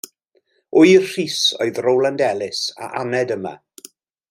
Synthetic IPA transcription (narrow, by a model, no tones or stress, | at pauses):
ʊjrr̥iːso̰ɨðrowlˠandɛlˠɪsa̰ʔanɛdəma̰